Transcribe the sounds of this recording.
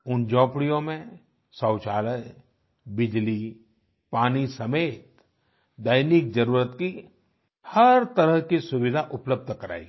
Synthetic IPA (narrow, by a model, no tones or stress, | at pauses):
ʊnd͡ʒɔ̃ːpɽijõmẽ | sɐ̃ːt͡ʃaːləj | bɪd͡ʒli | paːnisɐmeːt̪̚ | d̪ajnik̚d͡ʒɐɾuːɾət̪ki | hɐɾt̪ɐɾəɦkisʊwɪd̪ʱaʔʊpləb̚d̪ʱkɐɾa̰ːḭ